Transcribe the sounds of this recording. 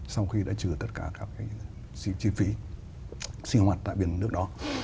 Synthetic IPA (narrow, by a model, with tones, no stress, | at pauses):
sa˧wxi˧ɗa̰ː˧˥t͡ɕɨ˨˩ət̪ə˦˥t̚kaː˧˩kaː˦˥kːaː˨˦j | si˧t͡ɕi˧fi˨˦ | si˧ŋhwaː˨˩t̚t̪a̰ː˧˨jɓḭ˧˩ənnɨ˦˥ək̚ɗɔ˨˦